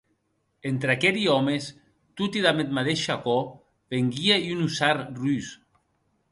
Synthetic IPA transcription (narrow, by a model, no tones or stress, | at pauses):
ent̪ɾakeɾiɔmes | t̪ut̪iðamet̪̚maðeʃakɔ | βeŋɡieunusaɾrys